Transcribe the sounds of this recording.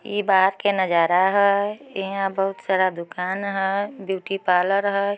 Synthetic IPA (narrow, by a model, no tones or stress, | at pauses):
jḭːbaːɦəɾkenəd͡ʒaːɾaɦɛɪɦãbəɦʊt̪saːɾad̪ʊkaːnɦɛbjuːʈipaːləɾɦɛ